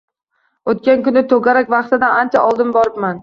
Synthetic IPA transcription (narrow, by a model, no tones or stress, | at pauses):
ot̪̚kʲankʊnɪt̪ʰoɡʲaɾakʲvɑqt̪ɪd̪aant͡ʃʰaʔɒlˠd̪ɪmbɒɾɪpman